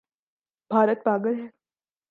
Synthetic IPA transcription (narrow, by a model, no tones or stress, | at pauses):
bʱaːɾət̪̚baːɡəlɦɛː